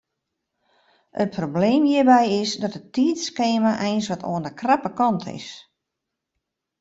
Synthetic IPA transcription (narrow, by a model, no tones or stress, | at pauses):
ət̚pʰrobleːmjiːəbɛjɪsdɔtətːiːtskeːmaʔɛjnsʋɔto̰əndəkrapəkɔntʰɪ̰s